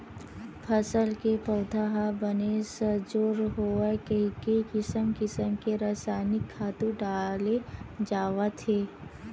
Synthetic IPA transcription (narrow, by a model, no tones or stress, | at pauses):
pʰəsəlkepəːd̪ʰʱaɦabənesəd͡ʒoːɾɦoːakəɦikəikɪsəmkɪsəmkeɾaːsaːnɪkʰːaːt̪ũɖaːled͡ʒaːʋat̪ʰeː